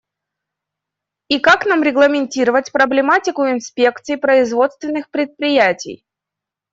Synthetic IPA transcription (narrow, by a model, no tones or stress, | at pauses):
ikaknamɾʲɪɡlˠəmʲɪnʲtʲiɾəvətʲpɾəblʲɪmatʲɪkʊɪnspʲe̞kt̪sɨjpɾəɪzvo̞t̪st̪vʲɪnːɨxpɾʲɪt̪̚pɾʲɪjætʲɪ̰j